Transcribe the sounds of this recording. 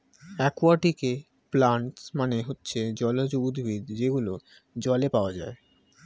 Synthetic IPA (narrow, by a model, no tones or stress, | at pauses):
ɛkwaʈike | plaɳʈsmaneɦotːɕʰed͡ʑɔlod͡ʑoud̪bʱid̪d͡ʑeɡulo | d͡ʑɔlepaoad͡ʑae